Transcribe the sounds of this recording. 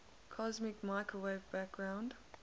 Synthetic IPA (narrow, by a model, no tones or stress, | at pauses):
kʰɔzmɪkmaɪkʰəweɪvbæk̚ɡ̥ɹãʊ̃nd̥